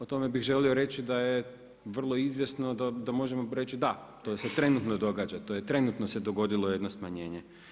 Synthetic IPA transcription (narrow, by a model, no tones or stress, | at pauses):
ot̪o̞me̞bixʒe̞lio̞ɾe̞t͡ɕid̪aje | ʋr̩lˠo̞izʋje̞sno̞d̪ad̪amo̞ʒe̞moɾe̞t͡ɕid̪at̪o̞se̞t̪ɾe̞nut̪nod̪o̞ɡaːd͡ʒat̪o̞jet̪ɾe̞nut̪nose̞d̪o̞ɡo̞d̪ilˠo̞je̞d̪no̞smaɲe̞ːɲe̞